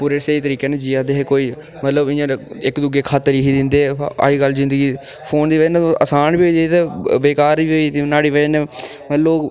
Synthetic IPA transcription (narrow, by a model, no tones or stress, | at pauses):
puːɾeːseːiːt̪əɾiːkeːned͡ʒiːaːd̪eːɦekoːiː | mət̪ləbɪ̃ːãːɪkd̪ʊɡeːkʰaːt̪ːɾiːɦiːd̪ɪnd̪ea̰ːiːɡəlːzɪ̃nd̪əɡiː | pʰoːnd̪iːʋəñʔəsaːnbiːɦoet̪eːʋeːkaːɾbiːɦoinaːɽiːʋəd͡ʒnmət̪loː